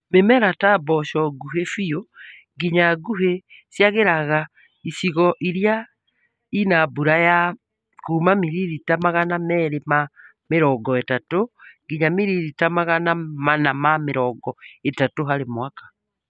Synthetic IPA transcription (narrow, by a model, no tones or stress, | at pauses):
memɛɾatabɔʃɔɡuɦefio | ɡiɲaɡuɦesjaɣeɾaɣa | isiɣɔʔiɾja | inabuɾaja | kuːmamiɾiɾitamaɣanamɛːɾema | meɾɔɡɔetatoɡiɲamiɾiɾitamaɣanamanamameɾɔɡɔetatoɦaɾemwakḁ